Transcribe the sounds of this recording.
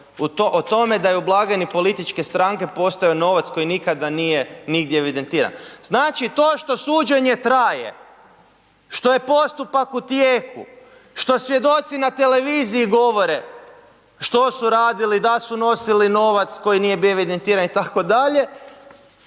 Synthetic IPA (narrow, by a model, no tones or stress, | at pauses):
ut̪oʔot̪o̞me̞d̪ajublˠaɡenipo̞lit̪it͡ʃke̞st̪ɾaŋke̞po̞st̪ajono̞ʋat̪sko̞jinikad̪anije̞niɡd̪jeeʋid̪e̞nt̪iːɾa̰nznaːt͡ʃit̪o̞ːʃt̪o̞suːd͡ʒe̞ɲe̞t̪ɾaje̞̰ | ʃt̪o̞je̞po̞st̪upakut̪jeːkṵ | ʃt̪o̞sʋje̞d̪o̞t̪sinat̪e̞le̞ʋiːziiɡo̞ʋo̞ɾe̞ | ʃt̪o̞suɾaːd̪ilid̪asuno̞silino̞ʋat̪sko̞jinijebioeʋid̪ent̪iːɾanit̪ako̞d̪aʎe̞